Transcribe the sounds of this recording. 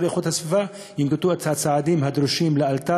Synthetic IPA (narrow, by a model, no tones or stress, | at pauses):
leχut̪hasviva | jimɡet̪uhat͡sat͡saʕad̪imɦad̪ɾuʃimlealt̪a